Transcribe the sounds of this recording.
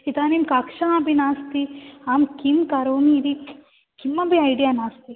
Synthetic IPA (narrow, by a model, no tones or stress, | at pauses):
it̪aːnimkakʃaabinaːst̪iaːmkimkaɾoːmiːd̪i | kimːɐbiɐjɖijanaːst̪i